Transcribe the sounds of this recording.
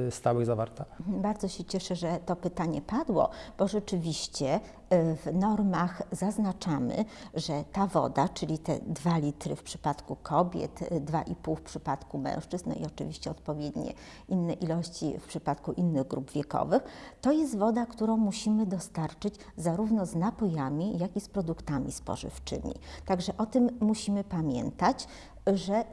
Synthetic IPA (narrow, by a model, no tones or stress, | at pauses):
st̪awɘɣzavaɾt̪abaɾd̪zɔɕɛt͡ɕɛʂɛʐɛt̪ɔpɘt̪aɲɛpad̪wɔ̰b̥ɔʐɛt͡ʂɘvʲiɕt͡ɕɛ | vnɔɾmaxzaznat͡ʂamɘ̰ʐɛt̪avɔ̰d̪at͡ʂɘlʲit̪ɛ̰d̪valʲit̪ɾɘ̰fpʂɘ̥pat̪kukʰɔbʲjɛ̰t̪d̪va̰ʔipuwfpʂɘpat̪kumɛ̰̃w̃ʂt͡ʂɘznɔ̰ḭɔt͡ʂɘ̰vʲiɕt͡ɕɛɔt̪̚pɔvʲjɛd̪ɲɛ̰ | inːɛʔilɔɕt͡ɕḭfpʂɘpat̪kuʔinːɘɣɡɾubvʲjɛkɔ̰vɘxt̪ɔjɛst̪vɔd̪akt̪uɾɔ̃w̃muɕimɘd̪ɔst̪aɾt͡ʂɘd͡ʑ | zaɾuvnɔznapɔjamʲijakʲispɾɔd̪ukt̪amʲispɔ̰ʐɘ̰ft͡ʂɘ̰mʲḭt̪aɡʐɛʔɔt̪ɘmːuɕimɘpamʲjɛ̰nt̪at͡ɕ | ʐɛ